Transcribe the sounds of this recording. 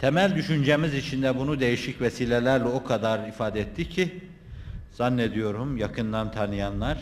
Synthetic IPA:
t̪ʰɛmælʲd̪yʃynd͡ʒemizit͡ʃʰind̪ɛbunud̪e̞jiʃicvɛsiːlʲelʲæɾlʲɛo̞kʰad̪aɾifaːd̪ɛɛt̪ʰːicʰi | z̥anːed̪ijo̞ɾumjakʰɯnd̪ant̪ʰanɯjanlˠaɾ̥

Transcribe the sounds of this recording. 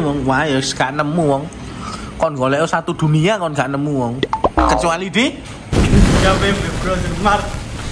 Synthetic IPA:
wɔŋwajɔsɡ̥aʔnəmːuwɔŋ | kɔnɡɔlɛʔosat̪ud̪̥ṳnijakɔnɡaʔnəmuwɔŋkət͡ʃualid̪̥i | ɡawemleb̥ɾɔsɪŋmart̪

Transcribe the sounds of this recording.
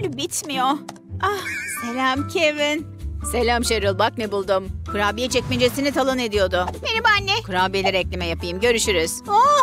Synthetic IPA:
lʲbit̪mijo | aselʲamcʰevin | se̞lʲamʃeɾɯlˠbak̚nebulˠd̪umkʰuɾaːbijɛt͡ʃʰɛcʲmind͡ʒesinit̪ʰalˠɯne̞d̪ijo̞d̪ʊbenibanːɛkʰuɾaːbijlʲiɾɛclʲimɛjapɯjɯmɟø̞ɾyʃyɾyz̥o

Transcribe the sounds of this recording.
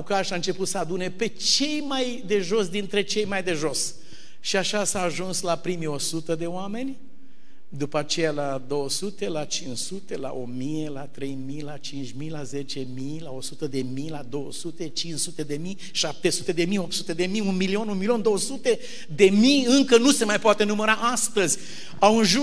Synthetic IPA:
ukaʃaɨnt͡ʃe̞put̪səad̪une̞pe̞t͡ʃe̞jmaj | d̪e̞ʒo̞sd̪int̪ɾe̞t͡ʃe̞jmajd̪e̞ʒo̞s | ʃiaʃasaːʒunslapɾimio̞sut̪əd̪e̞oame̞nʲ | d̪upəat͡ʃe̞jalad̪o̞wəsut̪e̞lat͡ʃinʃsut̪ela̰ʔomijelat̪ɾe̞jmijlat͡ʃint͡ʃʲmijlaze̞t͡ʃe̞milao̞sut̪əd̪e̞mijlad̪owəsut̪e̞t͡ʃinʃsut̪e̞d̪e̞mij | ʃap̚t̪e̞sut̪e̞d̪e̞mijopt̪sut̪ed̪e̞mijunmilio̞nunmilio̞nd̪o̞wəsut̪e | d̪e̞miɨŋkənuse̞majpoat̪enuməɾaʔast̪əzʲ | awɨnʒu

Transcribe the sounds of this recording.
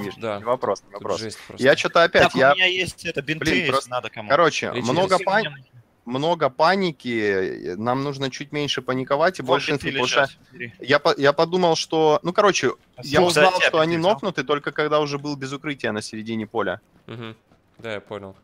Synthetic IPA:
nʲiʐnʲɪvɐpɾo̞snʲɪvɐpɾo̰sjat͡ɕot̪əɐpʲætʲjajesʲtʲɛb̪ʲblʲinkɐɾo̞t͡ɕɪ̰mno̞ɡəpa | mno̞ɡəpanʲɪkʲɪnamnuʐnət͡ɕutʲmʲenʲʂɨpənʲɪkɐvatʲɪbɐlʲʂɨnt̪oʂ | japɐjapɐd̪uməlˠʂt̪o̞nukɐɾo̞t͡ɕɪ | jaʊzalˠʂt̪oɐnʲino̞xnʊt̪ɨt̪o̞lʲkəkɐɡd̪aʊʐɛbɨlˠbʲɪzʊkɾɨtʲɪjənəsʲɪɾʲɪdʲinʲɪpo̞lʲə̰ | d̪ajaponʲlˠ

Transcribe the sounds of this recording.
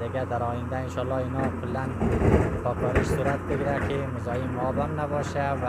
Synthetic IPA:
d̪ɪɡʲad̪aɾɒjɪnd̪aɪnʃɒlːɒɪnɒkʰʊlːanpʰɒkʰɒɾɪʃsuɾat̪̚bɪɡʲɪɾakʰʲɪmʊzɒjimːʊɒbamnabɒʃava

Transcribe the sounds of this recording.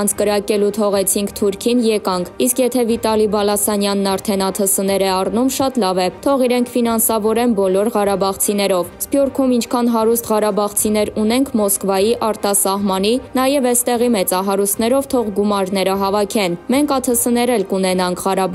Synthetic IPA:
nt͡sʰkəɾɑkɛlut̪ʰɔʁɛt͡sʰiŋkʰt̪ʰuɾkʰinjɛkɑŋkʰiskjɛt̪ʰɛvit̪ɑlibɑlɑsɑnjɑnːɑɾt̪ʰɛnɑt̪ʰəsənɛɾɛɑrnumʃɑt̪lɑvɛt̪ʰɔʁiɾɛŋkʰfin̪ɑnsɑvɔɾɛnbɔlɔɾʁɑɾɑbɑʁt͡sʰinɛɾɔvspjuɾkʰumint͡ʃʰkʰɑnɦɑɾust̪ʁɑɾɑbɑʁt͡sʰinɛɾun̪ɛŋkʰmɔskvɑjiʔɑɾt̪ɑsɑɦmɑn̪inɑjɛvɛst̪ɛʁimɛt͡sɑɦɑɾust̪nɛɾɔvt̪ʰɔʁɡumɑɾnɛɾəɦɑvɑkʰɛnmɛŋkʰɑt̪ʰəsənɛɾɛlkunɛnɑŋkʰʁɑɾɑb

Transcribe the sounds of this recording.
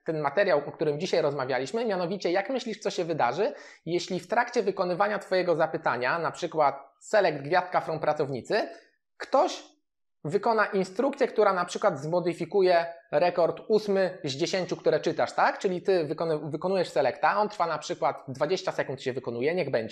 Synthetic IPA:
t̪ɛnmat̪ɛɾjawɔk̚t̪uɾɘmd͡ʑiɕajɾɔzmavʲjalʲiɕmɘmʲjanɔvʲit͡ɕɛjakmɘɕlʲiʂt̪sɔɕɛvɘd̪aʐɘ | jɛɕlʲift̪ɾakt͡ɕɛvɘkɔnɘvaɲat̪fɔjɛɡɔzapɘt̪aɲanapʂɘkwat̪̚sɛlɛɡd̪ɡvʲjast̪̚kafɾɔnpɾat̪sɔvɲit̪sɘ | kt̪ɔɕ | vɘkɔnaʔinst̪ɾukt̪sʲjɛk̚t̪uɾanapʂɘkwad̪zmɔd̪ɘfʲikujɛɾɛkɔɾt̪usmɘzd͡ʑeɕeɲt͡ɕukt̪uɾɛt͡ʂɘt̪aʂt̪akt͡ʂɘlʲit̪ɘvɘkɔnvɘkɔnujɛʂsɛlɛkt̪aɔnt̪ɾfanapʂɘkwad̪d̪vad͡ʑeɕt͡ɕasɛkunt̪ɕɛvɘkɔnujɛɲɛɣbɛɲd͡ʑɛ

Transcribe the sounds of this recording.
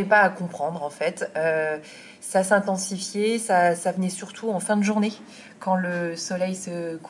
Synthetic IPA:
ɛpaːkɔ̃pχɑ̃d̪ʁɑ̃fɛt̪ø | sasɛ̃t̪ɑ̃sifjesasavənɛsyʁt̪ʰuɑ̃fɛ̃d̪əʒuʁne | kɑ̃ləsɔlɛjsək

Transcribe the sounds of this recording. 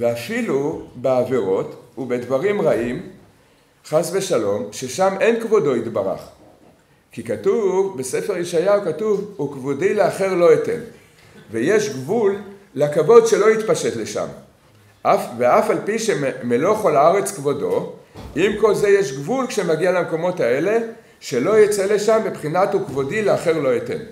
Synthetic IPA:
veafilubeave̞ʁo̞tube̞dvaʁimʁaʔim | χasveʃalo̞mʃe̞ʃame̞nkvo̞do̞it̪baʁa̰χ | kikatuvbe̞se̞feʁjeʃajakatuvukvodileaχe̞ʁlo̞ete̞̰n | veje̞ʃɡvulːakavo̞dʃe̞lo̞it̪paʃe̞tle̞ʃa̰m | veafalpiʃemelo̞χolaaʁe̞t͡skvo̞do̞̰ʔimko̞lze̞jeʃɡvulkʃe̞maɡialameko̞mo̞tae̞le̞ | ʃe̞lo̞jet͡se̞le̞ʃambepχinat̪ukvo̞dileaχe̞ʁlo̞jete̞̰n

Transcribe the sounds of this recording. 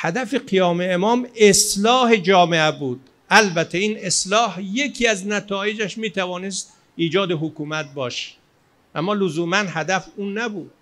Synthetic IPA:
hæd̪æfeqijɒːmeːmɒːmeslɒːhe̞d͡ʒɒːmeʔæbuːd̪̥ | ʔælbæt̪ʰːeiːneslɒːhje̞kʰiːæznæt̪ʰɒːje̞d͡ʒæʃmiːt̪ʰævɒːnest̪ | iːd͡ʒɒːd̪e̞ɦokuːmæt̪̚bɒːʃe̥ | ʔæmːɒːlozuːmænhæd̪æfuːnːæbuːd̪̥

